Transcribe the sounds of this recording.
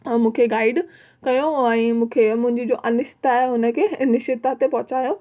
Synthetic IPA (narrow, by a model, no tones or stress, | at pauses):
mũːkʰeɡaːɪɖ | kɐjoɛ̃ːmũːkʰemʊ̃ɦɪ̃ɲd͡ʑid͡ʑoʔɐnɪʃɪ̥t̪aaːɦeɦʊnə̆kʰeːnɪʃɪt̪at̪epɐɦʊt͡ɕaːjo